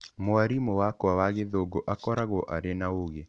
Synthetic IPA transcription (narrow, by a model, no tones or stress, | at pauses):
moaɾimowakɔawaɣeðoɡoʔakɔɾaɣɔʔaɾenaoɣe